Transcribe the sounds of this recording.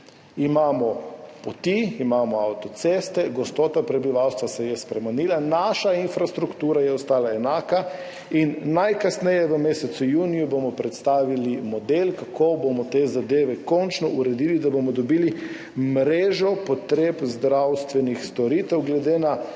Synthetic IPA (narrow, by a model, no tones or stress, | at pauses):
imaːmɔpot̪iimaːmɔawt̪ɔt̪seːst̪ɛɡɔst̪ɔːt̪apɾɛbiʋawst̪ʋasɛjɛspɾɛmɛniːlanaːʃainfɾast̪ɾukt̪uːɾajɛɔst̪aːlaɛnaːka | inːajkasnɛjɛʋəmeːsɛt̪sujuːnijubomɔpɾɛt̪st̪aːʋilimɔd̪elkakʰobomɔt̪ezad̪eːʋɛkɔnt͡ʃnɔʔuɾɛd̪iːlid̪abomɔd̪ɔbiːli | mɾeːʒɔpɔt̪ɾeːpzd̪ɾawst̪ʋɛnixst̪ɔɾiːt̪ɛwɡlɛd̪eːna